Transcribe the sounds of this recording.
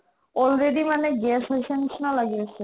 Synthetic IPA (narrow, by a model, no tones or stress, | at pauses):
ɔlɾeɖimaneɡɛsɦosʰenʃnalaɡiet͡ɕʰe